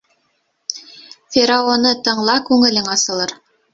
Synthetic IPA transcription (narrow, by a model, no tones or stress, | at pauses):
fʲeɾaonɤt̪ɤ̆ɴlˠɑkʉŋɘ̆lɘŋɑsɤ̆lˠɤɾ